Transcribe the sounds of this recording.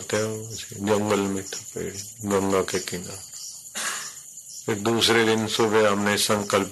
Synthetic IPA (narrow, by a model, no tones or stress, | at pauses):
t̪ɛsed͡ʒəŋɡəlmẽt̪ʰḁpḛɽeɡə̃ŋɡakekɪ̃ŋɡa | ɪk̚d̪uːsɾed̪ɪnsʊbeɦəmnesə̃ŋkəlp